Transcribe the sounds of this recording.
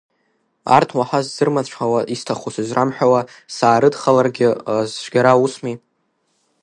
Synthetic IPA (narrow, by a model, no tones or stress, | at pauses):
a̰rtʰwaħazːɨrmaðt͡ʃʷʰħawaʔistʰaχusɨzrʔamħᶣawasaːɾɨdχalarɡʲɪzʃʷɡʲaɾausmi